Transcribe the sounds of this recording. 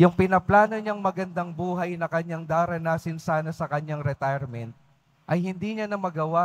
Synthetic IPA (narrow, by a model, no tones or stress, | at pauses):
jʊŋpɪnɐplaːnoɲɐŋmɐɡɐnd̪aŋbuːɦɐjnɐkɐɲaŋd̪aːɾɐnaːsɪnsaːnɐsɐkɐɲaŋɾɛt̪ajɛɾmɛnt̪̚ | ʔɐjhɪnd̪iːɲanɐmɐɡɐwa